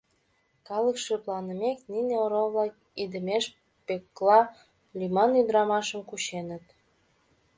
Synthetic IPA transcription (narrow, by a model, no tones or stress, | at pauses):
kɑləkʃeplɑnəmeknineoɾovlɑk | id̪əmeʃ | pekːlɑ | lʲymɑnyd̪ɾɑmɑʃəmkut͡ɕenət̪